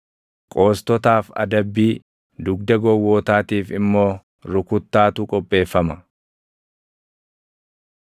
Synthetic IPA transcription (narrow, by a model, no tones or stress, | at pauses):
kʼo̞ːst̪ɔt̪aːfɐ̰d̪ɐbːiː | d̪ʊɡd̪ɐɡɔwːoːt̪aːt̪iːfɪmːo̞ː | ɾʊkʊt̪ːaːt̪ʊkʼɔpʼːe̞ːfːɐmɐ